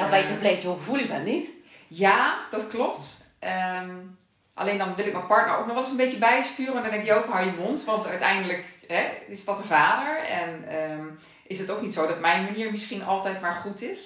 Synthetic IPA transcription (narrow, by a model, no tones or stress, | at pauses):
aʋɛjtɔbletoxəvulˠɪdɛnit | jaːd̥ɔtklɔpt | ʔəm | ʔa̰leːndɔnʋɪlˠɪk̚mɛjnpɑɹtnə̰ɹo̰k̚nɔχʋɛlˠɪsənbetjəbɛjstyːrəndɔndɛ̃ŋkjəokɦajəʋontʋɑntœɥtɛ̰jndələkɦɛɪsdɔt̚əvaːdəɹɛnəm | ʔɪsdətowknitsowdɔtmɛjnmaniːɹmɪsχinɑlˠtɛjtmaːɹχutɪs